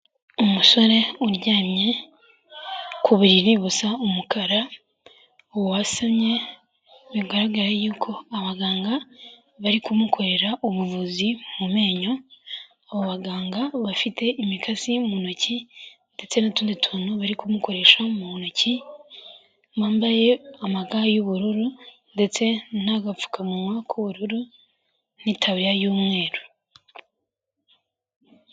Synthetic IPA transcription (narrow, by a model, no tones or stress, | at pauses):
umuso̞ɾe̞uɾɟaːmɲe̞ | kʰuβuɾiɾiβusaumukʰaɾa | owwasamɲe̞ | βiɡaɾaɡaɾejuːkʰo̞aβaɡaːŋɡa | βaɾikumukʰo̞ɾe̞ɾaʔuβuvuzimume̞ːɲo̞ | aβoβaɡaːŋɡaβafitʰe̞ʔimikʰasimunocinde̞t͡se̞natuːnditʰuːnuβaɾikumuko̞ɾe̞ʃamuunoci | βaːmbaje̞amaɡajoβuɾuɾu | nde̞t͡se̞n̥aɡafu̥kʰamumwakʰuβuɾuɾu | nitʰaβjajuːmŋe̞ːɾo